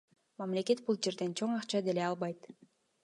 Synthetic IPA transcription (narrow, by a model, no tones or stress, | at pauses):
mamle̞ke̞t̪̚bulˠd͡ʒe̞ɾd̪e̞nt͡ʃʰoɴɑqt͡ʃɑd̪eleɑlˠβɑjt̪